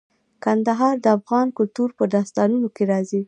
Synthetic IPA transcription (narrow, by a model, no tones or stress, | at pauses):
kand̪aɦɑɾd̪əafɣɑnkʊlt̪uɾpəd̪ɑst̪ɑnunokeɾɑzi